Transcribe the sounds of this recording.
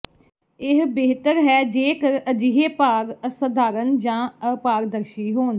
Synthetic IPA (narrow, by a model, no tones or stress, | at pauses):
ɪɦbeːɦt̪əɾɦɛːd͡ʒeːkəɾəd͡ʒɪɦeːpaːɾəsəd̪ʱaːɾənd͡ʒãːəpaːɾd̪əɾʃiːɦoːn